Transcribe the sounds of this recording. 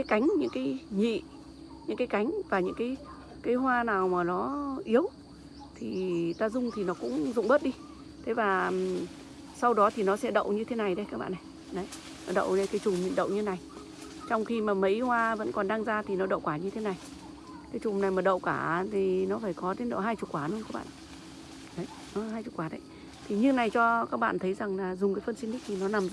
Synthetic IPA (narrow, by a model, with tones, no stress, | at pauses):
aː˨˦jka˨˦jŋ̟ɲɨ̰˧˥ŋkaː˨˦jɲḭ˧˨ | ɲɨ̰˧˥ŋkaː˨˦jka˨˦jŋ̟vaː˨˩ɲɨ̰˧˥ŋkaː˨˦j | kaː˨˦jɦwaː˧naː˨˩wmaː˨˩nɔ˨˦ʔi˨˦əw | t̪ʰi˨˩t̪aː˧zʊ˧ŋ͡mt̪ʰi˨˩nɔ˨˦kʊ̰˧˥ŋ͡mzʊ̰˧˨ŋ͡mɓə˦˥t̚ɗi˧ | t̪ʰe˨˦vaː˨˩ | sa˧wɗɔ˨˦t̪ʰi˨˩nɔ˨˦sɛ̰˧˥ɗə̰˧˨wʔɲɨ˧t̪ʰe˨˦na˨˩jɗə˨˦jkaː˦˥k̚ɓa̰ː˧˨na˨˩j | ɗə˨˦j | nɔ˨˦ɗə̰˧˨wne˧nkaː˨˦jt͡ɕʊ˨˩ŋ͡mɲḭ˧˨nɗə̰˧˨wɲɨ˧na˨˩j | t͡ɕɔ˧wŋ͡mxi˧maː˨˩mə˨˦jhwaː˧və̰˧˥nkɔ˨˩nɗa˧ŋzaː˧t̪ʰi˨˩nɔ˨˦ɗə̰˧˨wkwaː˧˩ɲɨ˧t̪ʰe˨˦na˨˩j | kaː˨˦jt͡ɕʊ˨˩ŋ͡mna˨˩jmaː˨˩ɗə̰˧˨wkaː˧˩t̪ʰi˨˩nɔ˨˦faː˧˩jkɔ˨˦ɗe˨˦nɗə̰˧˨ɦaː˧jt͡ɕʊ˨˩t̚kwaː˧˩n˨˦˧kaː˦˥kɓa̰ː˧˨ʔ | ɗə˨˦ | nɔ˨˦ɦaː˧jʊ˨˩t̚kwaː˨˦ɗə˨˦j | t̪ʰi˨˩ɲɨ˧na˨˩jt͡ɕɔ˧kaː˦˥k̚ɓa̰ː˧˨nt̪ʰə˨˦jza˨˩ŋlaː˨˩zʊ˨˩ŋ͡mk̬aː˨˦jfə˧nsi˧ni˦˥k̚t̪ʰi˨˩nɔ˨˦na˨˩m˧˦